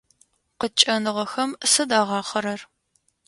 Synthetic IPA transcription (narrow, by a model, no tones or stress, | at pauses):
qət͡ʃʼɐnɨʁɐxɐmsɨdaːʁɑːχɐɾɐr